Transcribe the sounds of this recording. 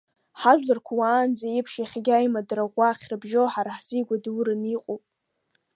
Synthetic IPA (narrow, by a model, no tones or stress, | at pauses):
ħaʒʷᶣlarkʷʰawaːnd͡zajɪpʰʂiχʲɡʲajmadraʁʷaχʲrabʒoħaɾaħz̥iɡʷaduɾɨniqʼowpʼ